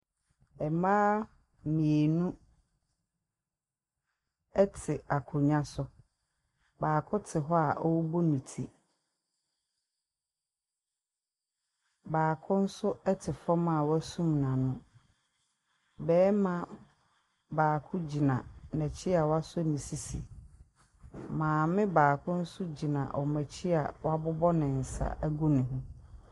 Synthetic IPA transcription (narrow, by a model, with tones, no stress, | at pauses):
ɛ˨mãː˦ | mĩ˨e˨nũ˦ | ɛ˦tʰɪ˨a˨kʰʊ˨ɲã˦sʊ˦ | baː˨kʰʊ˦tʰɪ˨ɦɔ˦a˨ʔɔ˦wɔ˦bo˦nĩ˨tʰḭ˦ | baː˨kʰʊ̃˦n̩˦sʊ˦ɛ˦tʰɪ˨fɔ˦mã˦˨wæ˦sũ˦mnã˨nʊ̃˦ | bɛː˦mã˦ | baː˨kʰʊ̃˦d͡ʑi˨nã˨nɛ̃˨t͡ɕʰɪ˦a˨wa˦sʊ˦nĩ˨si˦sḭ˨ | mãː˨mɪ̃˦baː˨kʰʊ̃˦n̩˦sʊ˦d͡ʑi˨nã˨ʔɔ˨mæ̃˨t͡ɕʰi˦a˨wa˦bʊ˦bɔ˦nɪ̃˨n̩˨sa̰˦ʔæ˦ɡu˦nɪ̃˨ɦʊ̃˦